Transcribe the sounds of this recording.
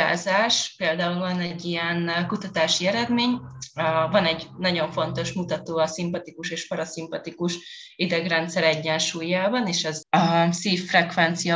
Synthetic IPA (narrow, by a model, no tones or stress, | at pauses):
a̰ːzaːʃpeːld̪aːulvɒnɛɟːijɛnkut̪ɒt̪aːʃiɛɾɛd̪meːɲ | vɒnɛɟnɒɟo̞ɱfo̞nt̪o̞ʃmut̪ɒt̪oːɒsimpɒt̪ikuʃeːʃpɒɾɒsimpɒt̪ikuʃ | id̪ɛɡrɛnt̪sɛɾɛɟːɛnʃuːjaːbɒneːʃɛzɒsiːfːrɛkʋɛnt̪sijɒ